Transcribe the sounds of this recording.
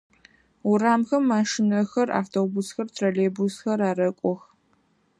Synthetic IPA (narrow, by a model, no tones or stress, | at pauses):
ʊraːmxɐmːaːʂɪnɐxɐra̰ːftʰoːbusxɐrtʰrɐleːbusxɐɾaːɾɐkʷʼɔx